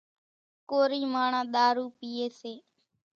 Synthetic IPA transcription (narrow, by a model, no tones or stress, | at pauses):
koːɾiːmaːɳãːɗ̪aːɾuːpiːeːseː